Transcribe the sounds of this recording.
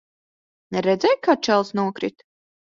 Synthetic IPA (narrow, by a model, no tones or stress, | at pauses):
nɛɾɛd̪zɛjkat͡ʃɛlˠsnuɔkɾit̪